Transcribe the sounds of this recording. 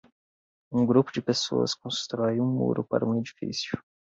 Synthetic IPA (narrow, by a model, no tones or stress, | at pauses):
ũɡɾupʊd͡ʒɪpeso̰ɐ̰skõst̪ɾɔjũmṵɾʔʊpa̰ɾɐũed͡ʒifḭsjʊ